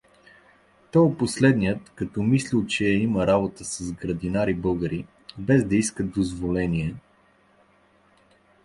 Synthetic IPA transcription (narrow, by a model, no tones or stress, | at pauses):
t̪ɔjoposlɛd̪nijət̪kɐt̪ɔmislilˠt͡ʃɛɛiməɾabot̪əsəzɡɾəd̪inaɾibɤlˠɡəɾi | bɛzd̪ɐiskət̪̚d̪ozvolɛniɛ